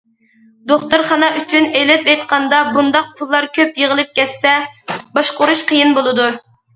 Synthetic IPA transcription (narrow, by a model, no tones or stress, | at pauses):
d̪oχt̪uɾχɑnɑʔyt͡ʃʰynelɪpejt̪qʰɑnd̪ɑbund̪ɑq̚pʰulˠːɑɾkʲʰøpjeʁəlˠɨp̚kʲɛtsːɛbɑʃqʊɾuʃqʰəjinbolˠɨd̪u